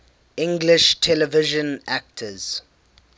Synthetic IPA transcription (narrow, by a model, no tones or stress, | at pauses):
ɪ̃ŋɡlɪʃtʰɛlɛvɪʒə̃nak̚tʰəz̥